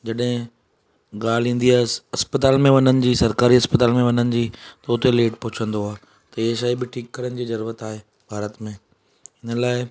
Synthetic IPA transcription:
d͡ʑɐɗɦɪ̃ | ɠaːl̤ĩːnd̪iaːɦesɐspət̪aːlmẽʋɐnənɪ̆d͡ʑiːsɐɾkaːɾiɦɐspət̪aːlmẽʋɐnənɪ̆d͡ʑiːt̪ɐʊt̪eleːʈpʊɦɪt͡ɕʰə̃nd̪oɦaː | t̪ɐiɦeʃaːibɪʈʰiːkːɐɾənɪ̆d͡ʑiːzɐɾuːɾət̪aːɦeː | bʱaːɾət̪mẽ | ɪnəlaːɪ

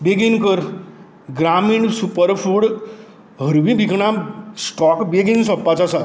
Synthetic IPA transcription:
beɡinkəɾ | ɡɾamiɳɖsupəɾfʰuɽ | ɦəɾʋĩbikʰɳasʈɔkbeɡinsɔpːat͡sasa

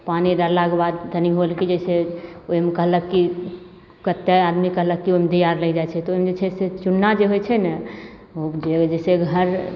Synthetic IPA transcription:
paniɾəɾlaɡbad̪̚ːəniɦolkid͡ʒɛseomekəɦləkːi | kət̪ːead̪mikəɦləkːiomet̪əjaɾləɡd͡ʒaet͡ʃʰɛt̪ɔomed͡ʒet͡ʃʰɛset͡ʃunːad͡ʒeɦojt͡ʃʰɛnɛ | od͡ʒed͡ʒɛseɡʱəɾ

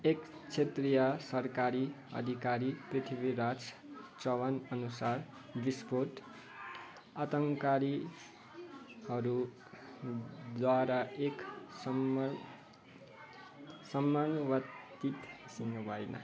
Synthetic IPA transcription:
ekt͡sʰet̪rijʌsʌrkaɾiʌ̰d̪ʱikaɾiprit̪ʰibiɾat͡st͡sʌwʌnʌnusar | bispoʈ | ʌt̪ʌŋkaɾi | hʌɾu | d̪waɾaeks | sʌmːanbʌt̪ | it̪siŋɡbʱajna̰

